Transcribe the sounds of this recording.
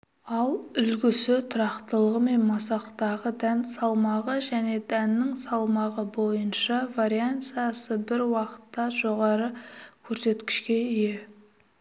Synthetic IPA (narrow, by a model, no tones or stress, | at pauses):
ɑlˠʏlɡʲɪsɪt̪ʰʊɾɑqt̪əlˠəʁəme̞nmɑsɑqt̪ɑʁəd̪ænsɑlˠmɑʁəʒæne̞d̪ænːɪŋsɑlˠmɑʁəbo̞jənʃɑvaɾijant̪sɨijasəbɪɾwɑqə̥t̪ːɑʒo̞ʁɑɾəkʲʰɵɾse̞t̪kʲɪ̥ʃkʲe̞ije̞